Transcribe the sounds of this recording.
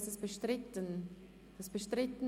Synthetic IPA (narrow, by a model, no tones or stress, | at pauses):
səsb̥əʃtɾɪtən | d̥ɐsb̥əʃtɾɪtən